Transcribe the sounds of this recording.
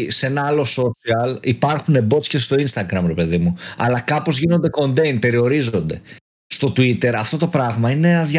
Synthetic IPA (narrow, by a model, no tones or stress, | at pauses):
se̞nɐɐlo̞so̞siɐlipɐɾxune̞bo̞t̪scesst̪o̞inst̪ɐɡɾɐmɾepe̞ðimuɐ̰lɐkɐpo̞zʝinond̪e̞ko̞nd̪e̞jnpe̞ɾio̞ɾizo̞nd̪e̞ | st̪o̞t̪uit̪e̞ɾɐft̪o̞t̪o̞pɾɐɣmɐine̞ɐðʝɐ